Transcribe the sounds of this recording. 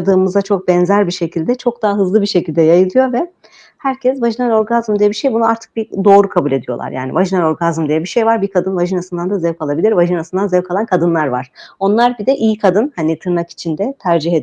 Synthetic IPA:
d̪ɯːmɯzd̪at͡ʃʰo̞k̚bɛnzæɾbiʃe̞cʰilʲd̪ɛt͡ʃʰo̞k̚d̪aɦaɦɯzlˠɯbiʃe̞cʰilʲd̪ɛjajɯlˠɯjo̞vɛ | hæɾcʰɛzvaʒinalɾo̞ɾɡazmd̪ijɛbiʃejbunuaɾt̪ʰɯ̥k̚bid̪o̞ːɾukʰabulʲe̞d̪ijo̞lˠa̰ɾja̰ːnḭvaʒinaɾo̞ɾɡazm̩d̪ijɛbiʃe̞jvaɾbikʰad̪ɯnvaʒinasɯnd̪and̪azɛvkʰalˠabilʲiɾvaʒinasɯnd̪anzɛvkʰalˠankʰad̪ɯnlˠaɾva̰ɾ̥o̞nlˠaɾbid̪ɛʔijkʰad̪ɯnhanit̪ʰɯɾnaki̥t͡ʃʰind̪ɛt̪ʰæɾd͡ʒihed̪

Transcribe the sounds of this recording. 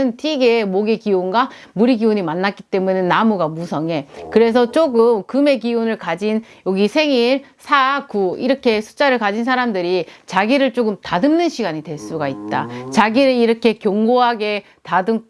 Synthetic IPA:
ɯntʰiɡemoɡekionɡa | muɾiɡioɲimanːak͈it͈e̞munenːamuɡamusʰʌŋe̞kɯɾe̞s̬ʰʌt͡ɕ͈oɡɯmkɯme̞kionɯɭkad͡ʑin | joɡisʰe̞ŋiɭsʰaɡuiɾʌkʰe̞sʰu̥t͡ɕ͈aɾɯɭkad͡ʑinsʰaɾamdɯɾit͡ɕaɡiɾɯɭt͡ɕ͈oɡɯmtadɯmnɯnɕʰiɡaɲidwe̞ɭs͈uɡait̚t͈at͡ɕaɡiɾɯɭiɾʌkʰe̞kjʌŋɡoɦaɡe̞ | tadɯŋ

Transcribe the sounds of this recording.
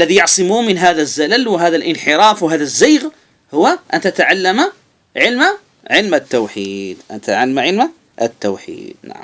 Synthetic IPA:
ʔalːaðijɑʕsˤɨmuːmɪnɦaːðazːalalwɪɦaːðalʔɪnħɪɾˤɑːfwɪɦaːðazːaːɣ | hʊwːaʔant̪at̪aʕalːama | ʕɪlma | ʕɪlmat̪ːowħiːd̪ʔant̪aʕalːamaʕɪlma | ʔat̪ːowħḭːd̪̥̚na̰ʕm

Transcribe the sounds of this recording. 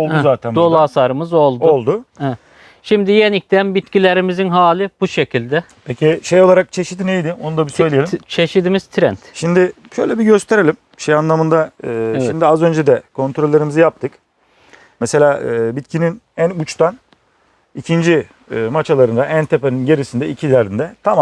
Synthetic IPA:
olˠd̪uzaːt̪ʰænd̪olˠaːsaɾɯmɯzo̞lˠd̪ʊolˠd̪ʊɛɛ | ʃimd̪ijenic̚t̪ʰænbit̪cilʲeɾimizinɦaːlʲibuʃe̞cʰilʲd̪ɛ | pʰecʰiʃejo̞lˠaɾak̚t͡ʃʰeʃi̥t̪inejd̪ɪo̞nud̪abisøjlʲijelʲt͡ʃʰe̞ʃid̪imiz̥t̪ʰɾɛnt̪ʃimd̪ɪ | ʃøjlʲɛbiɟø̞st̪ʰe̞ɾelʲim | ʃejanlˠamɯnd̪aɯːʃimd̪iazø̞nd͡ʒɛd̪ɛkʰo̞nt̪ʰɾo̞lʲːeɾimizɯjap̚t̪ʰɯk | mɛse̞lʲaːɯːbit̪cʰininænut͡ʃt̪ʰan | icʰind͡ʒiː | mat͡ʃʰalˠaɾɯnd̪aʔænt̪ʰepeninɟe̞ɾisind̪ɛicʰilæɾd̪ind̪ɛt̪ʰama

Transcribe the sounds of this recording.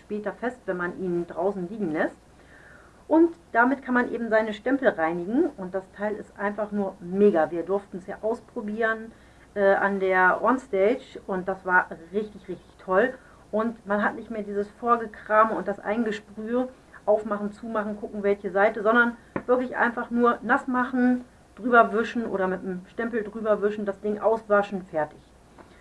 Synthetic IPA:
ʃpɛːtɐfɛstv̥ɛnmanʔiːndʁaʊsn̩liːɡŋ̩lɛst̚ | ʔʊntd̥amɪtkʰanmanʔḛːbm̩zaɪnəʃtɛmpl̩ʁaɪnɪɡŋ̩ʔʊnt̚d̥astʰaɪlɪstʔaɪnfaχnuːɐmeːɡaviːɐdʊɐftn̩ɛsja̰ːʔaʊspʁ̥obiːʁən | ʔɛːʔa̰ndeːɐʔɔnstɛɪt͡ʃʊnt̚d̥asv̥aːɐʁɪçtɪçʁɪçtɪ̥çtʰɔl | ʔʊntmanɦatnɪçtmeːɐdiːzəsfoːɐɡəkʁ̥aːmʊntd̥asʔa̰ɪŋɡəʃpʁ̥yːə | ʔaʊfmaχn̩t͡suːmaχn̩kʰʊkŋ̩vɛlçəzaɪtəzɔndɐn | v̥ɪɐklɪçʔa̰ɪnfaχnuːɐnasmaχn̩ | d̥ʁyːbɐvɪʃn̩ʔo̰ːɾɐmɪtnəmʃtɛmpl̩dʁyːbɐvɪʃn̩dasd̥ɪŋʔaʊsv̥aʃn̩fɛɐtɪç

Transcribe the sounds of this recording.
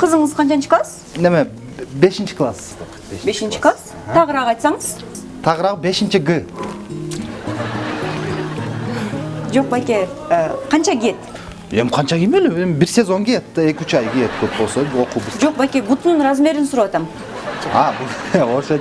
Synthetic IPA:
qʰəzəɴəzqʰɑnt͡ʃɑnt͡ʃʰi̥klˠas | neme | be̞ʃint͡ʃi̥klˠas | be̞ʃint͡ʃi̥klˠas | t̪ʰɑʁəɾɑʁəɑjt̪sɑɴəz̥ | t̪ʰɑʁəɾɑʁəbe̞ʃint͡ʃiɡɨ | d͡ʒo̞q̚bajkʲe | qʰɑnt͡ʃɑɡʲije̞t̪ | e̞mqʰɑnt͡ʃɑɡʲimelyembiɾsʲezo̞ŋɡijet̪ːɑe̞kʲyt͡ʃɑjɡijet̪̚ɡøp̚bo̞lˠsoo̞quːbuzd͡ʒo̞q̚bakʲebut̪ununɾazme̞ɾinsuɾawɑt̪ɑm | ɑbuoɾse

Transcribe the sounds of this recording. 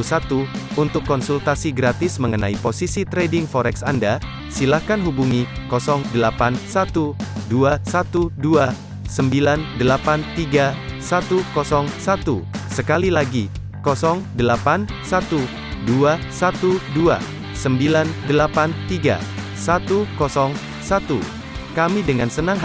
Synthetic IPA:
sat̪uunt̪ʊkːɔnsult̪asiɡɾat̪ɪsməŋənaiposisit̪ɾedɪŋfɔɾɛksanda | silahkanɦubuŋikɔsɔŋdəlapansat̪uduasat̪udua | səmbilandəlapant̪iɡa | sat̪ukɔsɔŋsat̪usəkalilaɡi | kɔsɔŋdəlapansat̪u | duasat̪udua̰ | səmbilandəlapant̪iɡa̰ | sat̪ukɔsɔŋ | sat̪u | kamidəŋansənaŋɦ

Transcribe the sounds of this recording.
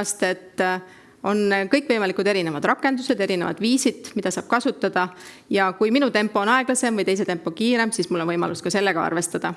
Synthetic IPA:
ɑst̪e̞t̪ːˑ | o̞nkɤjkːˑvɤjmɑlikud̪̥e̞ɾine̞vɑd̪rɑkːˑe̞nd̪̥use̞d̪̥e̞ɾinevɑ̰d̪̥viːsid̪̥mid̪̥ɑsɑːb̥̚kɑsut̪ːɑd̪̥ɑ | jɑkujminut̪e̞mpːˑo̞oːnɑe̞ɡ̥lɑse̞mvɯjt̪e̞jse̞t̪e̞mpːˑo̞kiːɾe̞msiːsmulːo̞nvɤjmɑ̰luskɑse̞lːe̞ɡ̥ɑɑ̰rve̞st̪ɑd̪̥ɑ

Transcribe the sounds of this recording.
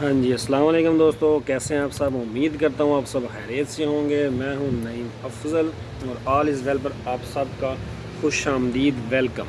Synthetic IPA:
ɦãːɲd͡ʒiːɐsəlaːmaleːkʊmd̪oːst̪õːkɛːseɦɛ̃aːpsɐbʊmːiːd̪kɐɾt̪aɦũaːpsɐbxɛːɾeːt̪seɦõːŋɡeːmɛ̃ːɦũːnɐiːmɐfzəl | ɔːɾaːlɪs̬ʋɛːlpɐɾaːpsɐbka | xʊʃaːmd̪iːd̪ʋɛlkə̰m

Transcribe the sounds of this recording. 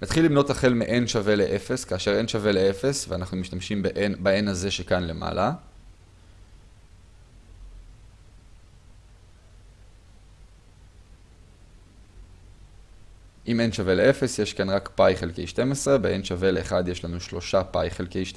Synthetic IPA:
nat̪χilːimno̞taχe̞lmeʔenʃave̞leʔefe̞skaːʃe̞ʁe̞nʃave̞leefe̞sveanaχnumiʃt̪amʃimbeʔenbae̞naze̞ʃekanle̞ma̰la | ʔime̞nʃave̞leefe̞sje̞ʃkanʁakpajχelkejʃte̞mesʁe̞beʔenʃave̞leːχad̪je̞ʃlanuʃlo̞ʃapajχelkejʃt

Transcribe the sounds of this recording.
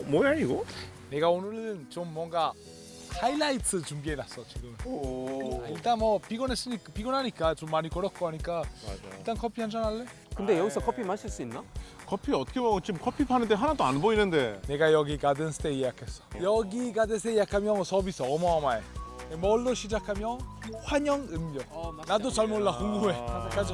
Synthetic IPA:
mojaɾiɡo | ne̞ɡaonɯɾɯnt͡ɕomːwʌŋɡa | hailːaitʰɯt͡ɕumbienas͈ʌt͡ɕiɡɯmɯn | aiɭt͈anmʌpiɡʌnɦes͈ɯɲikpiɡʌnɦaɲik͈at͡ɕomːaɲikʌɾʌt̚k͈oɦaɲik͈ailt͈ankʰʌpʰiɦand͡ʑanaɭːe | kɯnde̞jʌɡisʰʌkʰʌpʰimaɕʰiɭs͈uinːakʰʌpʰiʌtʰʌkʰeoɡɯnt͡ɕimkʰʌpʰipʰanɯndeɦanadoanboinɯndene̞ɡajʌɡikadɯnsʰɯ̥tejejakʰes͈ʌ̥jʌɡiɡadɯns̬ʰejjakʰamjʌsʰʌbisʰʌːmʌamaemʌɭːoɕʰid͡ʑakʰamjʌnɸwaɲʌŋɯmːjʌnadot͡ɕaɭmoɭːakoŋɡue̞ak͈ad͡ʑi

